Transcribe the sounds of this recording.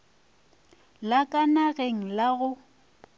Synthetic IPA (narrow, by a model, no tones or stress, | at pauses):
lakʼanaɣeŋ̩laɣʊ